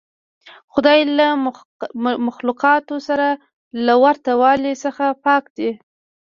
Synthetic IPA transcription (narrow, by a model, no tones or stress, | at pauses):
xʊd̪ɑjla | maxlʊqɑt̪osaɾa | lawaɾt̪awɑlisəxapɑkd̪i